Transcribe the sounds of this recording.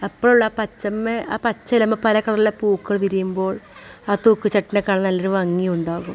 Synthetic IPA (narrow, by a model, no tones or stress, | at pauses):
ɐpːoɭuɭːaːpɐt͡ɕːɐmːeʔaːpɐt͡ɕːɐlɐmːɐpɐlɐkːɐɭɐðilːepuːkːɐɭt̪iɾijumbo̞ːɭaːt̪uːkːɨt͡ɕɐʈːinekːaːɳɨnɐlːɐɾuʋɐŋːijuɳɖaːɣum